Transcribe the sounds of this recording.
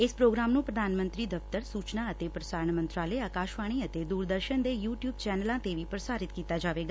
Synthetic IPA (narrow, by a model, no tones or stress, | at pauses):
espɾoːɡɾaːmnũpɾəd̪ʱaːnmə̃nt̪ɾid̪əft̪əɾsuːt͡ʃnaət̪epɾəsaːɾəɳ̃mə̃nt̪ɾaːləeaːkaːʃʋaːɽ̃iət̪ed̪uːɾd̪əɾʃənd̪ejuːʈjuːbt͡ʃɛːnəlãt̪eʋipɾəsaːɾɪt̪kiːt̪ad͡ʒaːʋeːɡaː